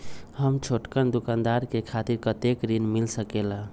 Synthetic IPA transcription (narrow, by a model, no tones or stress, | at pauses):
ɦəmt͡ʃʰoʈkənd̪ukand̪aɾkekʰat̪iɾkət̪ekɾinmilsəkelã